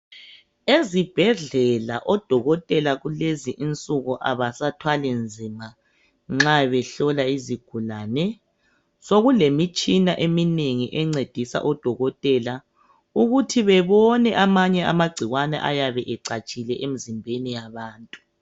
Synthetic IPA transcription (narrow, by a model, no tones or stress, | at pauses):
ezib̥ʱɛɮɛlaʔɔd̥ʱɔɣɔtʼɛlaɣuleziʔint͡sʼuɣɔʔaβasatʰwalɛnd͡zʱima | ŋ͡ǁaβɛɬɔlaiziɡ̥ʱulaːnɛ | soɣulemit͡ʃʼinaʔemineŋiʔɛŋ͡ǀed̥ʱisa̰ʔɔd̥ʱɔɣɔtʼɛla | uɣutʰiβɛβɔnɛʔamaɲɛʔa̰maɡ͡ǀʱiɣwanɛ̰ʔa̰jaβɛʔɛǀat͡ʃʼilɛʔem̩zimbʱenijaβaːntʼu̥